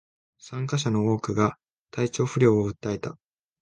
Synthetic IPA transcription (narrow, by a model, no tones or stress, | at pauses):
sãŋkaɕ̬ano̞o̞ːkɯ̟ɡa | t̪ait͡ɕo̞ːɸɯ̟ɾʲo̞ːoɯ̟t̪ːae̞t̪a